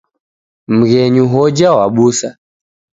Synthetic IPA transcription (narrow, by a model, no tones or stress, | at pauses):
m̩ɣɛɲuɦɔd͡ʒawaɓusa